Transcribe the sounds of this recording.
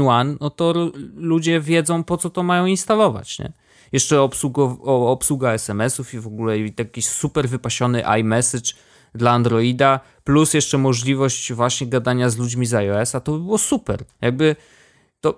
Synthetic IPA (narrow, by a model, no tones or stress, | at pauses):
wannɔt̪ɔlud͡ʑɛvʲjɛd̪zɔ̃w̃pɔt̪sɔt̪ɔmajɔ̃w̃inst̪alɔva̰t͡ɕɲɛ̰ | jɛʂt͡ʂɛɔpsuɡɔvɔːpswuɡaɛsɛmɛsufivɔɡulɛijakʲisupɛɾvɘpaɕɔnɘʔa̰jmɛsɘt͡ʂ | d̪laːnd̪ɾɔid̪a | plusjɛʂt͡ʂɛmɔʐlʲivɔɕt͡ɕvwaɕɲɛɡad̪aɲazlud͡ʑmʲizajɔɛsat̪ɔbɘbɘwɔsupɛ̰ɾjaɡ̚bɘ | t̪ɔ